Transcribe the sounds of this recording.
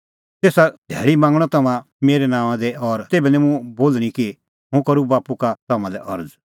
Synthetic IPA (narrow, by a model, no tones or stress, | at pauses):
t̪eːsad̪ʱɛ̰ːɭimãːŋɡɽ̃ɔt̪ɐmã | meːɾɛnãːw̃ãd̪ɛɔɾt̪eːbɛnɛ̃mũboːlɽ̃ĩki | ɦʊ̃kɐɾubaːpukat̪ɐmãlɛʔɐɾd͡z